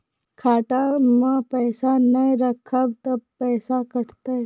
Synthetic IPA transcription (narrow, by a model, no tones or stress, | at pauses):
kʰaːʈamãpɛːsanɐ̃ɾɐkʰːab̚t̪ɐbpɛːsakɐʈt̪a